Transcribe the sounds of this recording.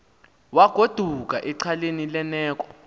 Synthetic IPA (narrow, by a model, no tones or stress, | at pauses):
waɡ̥ʱod̥ʱuk̬ʼaʔɛǀʰalenilɛnɛːk̬ʼɔ̥